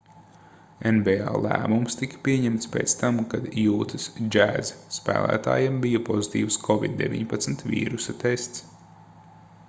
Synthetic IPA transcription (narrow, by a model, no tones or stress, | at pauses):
enbɛa̰ːlˠæ̰ːmumst̪ikpʲiɛɲɛmt̪spḛːt̪st̪amkad̪juːt̪ɨsd͡ʒæːzspæ̰ːlˠæ̰ːt̪a̰ːjembijɐpɔzit̪ḭːwskʰɔvḭd̪̚dːḛvʲḭɲpat̪sm̩t̪vʲḭːɾusat̪est̪s